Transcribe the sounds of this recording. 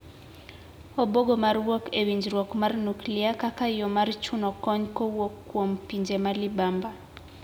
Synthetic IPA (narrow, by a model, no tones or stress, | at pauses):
oboɡomarwokewiɲd͡ʒrwɔkmarnukliakakajɔmart͡ʃunɔkɔɲkowokːwompiɲd͡ʒemalibamba